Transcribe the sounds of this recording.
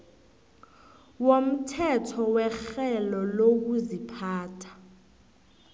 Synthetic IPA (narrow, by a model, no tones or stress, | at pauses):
wom̩tʰɛtʰɔwɛxɛlɔlok̬uzipʰaːtʰḁ